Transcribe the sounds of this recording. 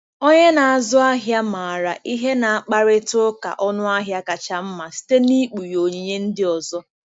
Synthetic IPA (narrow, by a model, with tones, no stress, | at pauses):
o˦ɲe˦na˨a˨zʊ˦a˦ɦja˦ma˨a˨ɾa˨ʔi˦ɦe˦na˨a˦˨k͡pa˦ɾɪ˦tʊ˦ka̰˨ʔɔ˦nʊ˦a˦ɦja˦ka˨t͡ʃa˨m̩˦ma˨si̥˦te˦ni˦k͡pu˨jo˨ɲi˨ɲe˦n̩˦dɪ˦ɔ˨zɔ˦